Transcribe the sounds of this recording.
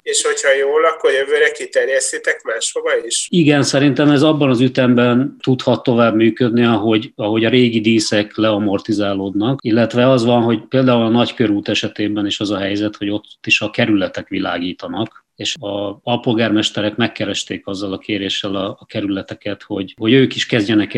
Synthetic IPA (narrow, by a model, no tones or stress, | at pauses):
eːʃho̞chɒjoːlɒkːoɾjøvøːɾɛkit̪ɛɾjɛst̪it̪ɛkmaːʃfoɡɒiʃiɡɛnsɛɾint̪ɛmɛzɒbːɒnɒzyt̪ɛmbɛnt̪ut̪hɒt̪ːo̞vaːbmyːkød̪niɒɦo̞ɟɒɦo̞ɟɒɾeːɡid̪iːsɛklɛɒmo̞rt̪izaːloːd̪nɒkilːɛt̪ʋɛɒzʋɒnɦo̞ɟpeːld̪aːulɒnɒckøɾuːt̪ɛʃɛt̪eːbɛniːʃɒzɒɦɛjzɛt̪ho̞ɟo̞t̪ːiʃɒkɛɾylɛt̪ɛkʋila̰ːɡiːt̪ɒnɒk | eːʃɒɒlpo̞lɡaːrmɛʃt̪ɛɾɛkmɛkːɛɾɛʃt̪eːkɒzːɒlɒkeːɾeːʃːɛlɒːkɛɾylɛt̪ɛkɛt̪ho̞ɟho̞ɟøːkiʃkɛzɟɛnɛk